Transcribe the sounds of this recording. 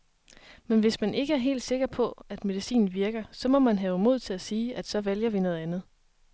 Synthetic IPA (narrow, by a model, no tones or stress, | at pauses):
menʋe̝smænʔe̝ɡ̥əæɐɦe̝̰ːld̥se̝ɡ̥ɐpʰɒ̽æd̥me̝ðisḭːn̩ʋiɐɡ̥ɐsɒ̽mɒ̽mænɦɛːʊmo̝ð̞̰ˠt͡sʰe̝læsiːæd̥sɒ̽ʋæljɐʋinɔ̽ð̞̩ˠænð̞̩ˠ